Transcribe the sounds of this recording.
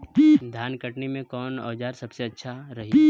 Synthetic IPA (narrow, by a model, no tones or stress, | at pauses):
d̪ʱjaːnkəʈnimẽkɔːnɔ̰ːd͡ʒaːɾsɐbseɐtːʃʰaɾɐɦi